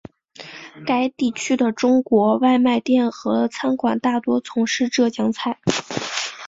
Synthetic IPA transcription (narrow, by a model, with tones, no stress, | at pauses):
ka˧˥ɪt̪i˥˩t͡ɕʰy˥d̪ə˨ʈ͡ʂʊ˥ŋkwɔ˧˥wa˥˧ɪma˥˧ɪt̪jɛ˥˩nxɤ˧˥t͡sʰa˥nkwa˨˩nt̪a˥˩t̪wɔ˥t͡sʰʊ˧˥ŋʂɻ̩˥˧ʈ͡ʂɤ˥˩t͡ɕjɑ˥ŋt͡sʰa˥˩ɪ